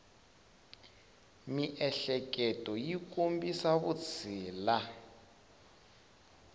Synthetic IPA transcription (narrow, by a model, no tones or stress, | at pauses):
miʔɛɬɛkɛtʼɔjik̬ʼombisaβut͡sʰiːla